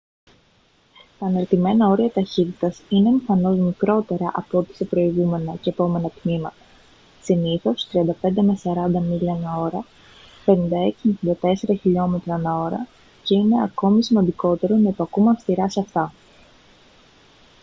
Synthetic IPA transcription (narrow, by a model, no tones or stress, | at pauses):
t̪ɐːnelt̪ime̞nɐo̞ɾiɐt̪ɐçit̪it̪ɐsine̞ːmiθɐno̞zmikɾo̞t̪e̞ɾɐʔɐpot̪i̥sepɾo̞iɣume̞nɐceːpo̞me̞nɐt̪mimɐt̪ɐ̥ | siniθo̞st̪ɾiɐnd̪ɐpe̞nd̪emesɐɾɐnd̪ɐmiʎɐnɐo̞ɾɐ | pe̞nind̪ɐe̞ksimefind̪ɐt̪e̞se̞ɾɐçiʎo̞me̞t̪ɾɐnɐo̞ɾɐ̰ | ceine̞ɐko̞misimɐnd̪iko̞t̪e̞ɾo̞nɐipoɐkumɐfst̪iɾɐsɐft̪ɐ